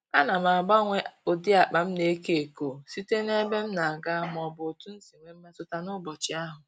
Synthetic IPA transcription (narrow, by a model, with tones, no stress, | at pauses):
a˦na˨m˨a˨ɡ͡ba˦ŋʷe˦o˨di˦a˨k͡pa˨m̩˦ne˦e˦ke˦e˨ko˨si˦te˦ne˦be˦m̩˦na˨a˨ɡa˦m˨ɔ˨bʊ˨tu˦n̩˦si˨ŋʷe˨m̩˦me˦tʊ˦ta˦nʊ˦bɔ˨t͡ʃɪ˦a˦ɦʊ˨